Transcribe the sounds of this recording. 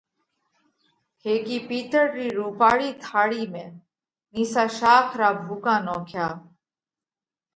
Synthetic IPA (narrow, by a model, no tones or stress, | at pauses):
heːkiːpiːt̪əɾɾiːɾuːpaːɭiːt̪ʰaːɽiːmẽː | niːsaːʃaːkʰɾaːbʱuːkãːnɔ̃ːkʰjaː